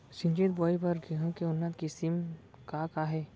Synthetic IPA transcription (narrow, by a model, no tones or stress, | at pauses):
sɪ̃ɲd͡ʒeːt̪̚bɔːipɐɾɡeɦũkeʊnːət̪kisim | kakaɦɛː